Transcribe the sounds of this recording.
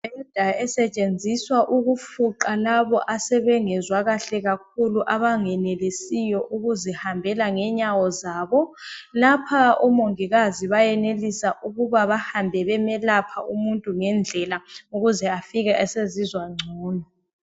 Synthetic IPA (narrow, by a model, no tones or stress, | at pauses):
ɛd̥ʱaɛsɛt͡ʃʼend͡zʱiswaʔuɣufuǃalaβɔʔasɛβɛŋɛzwaɣaɬɛɣak̚ʰuluʔaβaŋɛnɛlisijɔʔuɣuzɛhambʱɛlaŋɛɲawɔzaːβɔlapʰaumoŋiɣaziβajɛnelisaʔuɣuβaβahambʱɛβɛmɛlapʰaʔumuntʼuŋɛnd͡ɮʱɛlauɣuzɛafiɣɛʔɛsezizwaŋ͡ǀʱuːnɔ